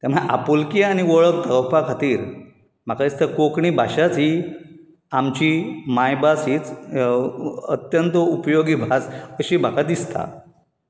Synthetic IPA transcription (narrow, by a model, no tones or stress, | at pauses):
t̪am̤ə̃ʔa̰polkiañiʋəɭək̚t̪ʰəəwpakʰat̪iːɾ | m̤akad̪ist̪akokɳiːbʱaɕat͡si | amt͡ɕimajbasiːt͡s | ət̪jənt̪əupjoɡiːbʱasəɕiːm̤akad̪ist̪a̰